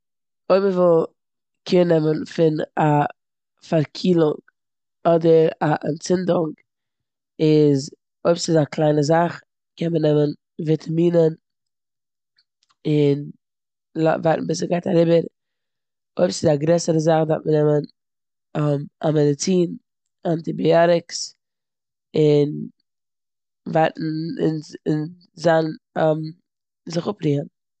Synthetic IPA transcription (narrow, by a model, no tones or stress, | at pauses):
oɪbməvɪlˠ | kʰɪnːɛmənfɪna | faɾkʰiːlˠʊŋ | ɔdəɾaʔa̰nt͡sɪndʊŋɡ | ɪz | oɪbsɪzaklˠaɪnəzaχ | kɛnmənɛmən | vɪtʰamiːnən | ɪn | la̰vaɪtn̩bɪsəɡaɪtaɾibəɾ | oɪbsɪzaɡɾɛsəɾəzaχdatmənɛmən | amamɛdɪt͡siːn | antɪbiaɾɪks | ɪn | vaɪtn̩ɪ̰nɪn | zanam | zɪχʊpɾiːən